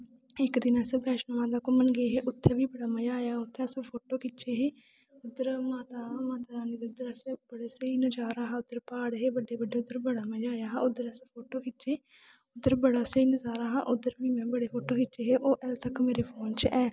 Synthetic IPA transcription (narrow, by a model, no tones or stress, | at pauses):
ɪkd̪ɪnɛspɛːʃnəmãːt̪̬aːkʊmənɡeːɦeːʔʊt̪ʰːeːbiːbəɽaːməd͡ʒaːjaːʊt̪ʰːeːspʰoːʈoːkɪt͡ʃeːɦeː | ʊd̪əɾmaːt̪aːmaːt̪aːɾaːnid̪ʊd̪əɾɛsbəɽeːsəiːnəd͡ʒaːɾaːɦaːʊd̪əɾpaːɽɦeːbəɖeːbəɖeːʊd̪əɾbəɽaːməd͡ʒaːjaːɦaːʊd̪ːəɾɛspʰoːʈoːkɪtt͡ʃʃeː | ʊd̪əɾbəɽaːsəiːnəzaːɾaːɦã̰ːʔʊd̪əɾbiːmɛ̃ːbəɽeːpʰoːʈoːkɪtʃeːɦeːʔoːʔɛlt̪əkmeːɾeːpʰoːnt͡ʃʔɛː